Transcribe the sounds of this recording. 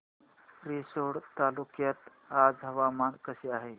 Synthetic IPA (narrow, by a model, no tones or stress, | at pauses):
pɾisoɽt̪alukjət̪ | ad͡zɦəʋamankəseaɦe